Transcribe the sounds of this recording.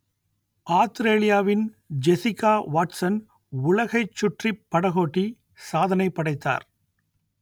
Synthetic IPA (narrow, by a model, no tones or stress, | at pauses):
ʔaːst̪ɾeːlɪjaːʋɪn | d͡ʒɛsɪkaːʋaːʈsɐn | ʊlɐɣɐɪt͡ʃːʊʈripːɐɽɐɣoːʈːi | saːðɐnɐɪpːɐɽɐɪt̪ːa̰ːɾ